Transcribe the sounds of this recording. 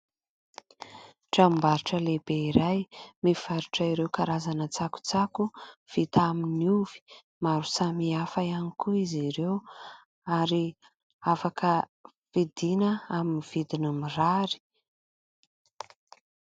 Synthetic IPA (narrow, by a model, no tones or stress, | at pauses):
ʈ͡ʂambaɾuʈ͡ʂəlebeiɾajmiv̥aɾuʈ͡ʂəiɾewkaɾazanət͡saku̥t͡sakuv̥it̪aminiuv̥i̥ | maɾusamiafajanikuiziɾew | aɾi | afakə | fid̪inəaminiv̥id̪inəmiraɾi̥